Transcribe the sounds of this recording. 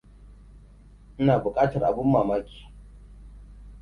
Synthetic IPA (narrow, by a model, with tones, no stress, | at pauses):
ʔɪ˦naː˨bʊ˨kʼaː˦tɐ˨rʔa̰˨bʊ˦mːaː˨maː˦kʲi̥ː˨